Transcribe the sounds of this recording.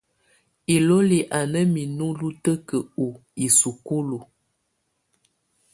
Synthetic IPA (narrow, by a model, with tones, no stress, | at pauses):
i˨lo˦li˨ʔa˨nə˦mi˨nu˦lu˦tə˦kə˨u˨i˨su˨ku˦lu˨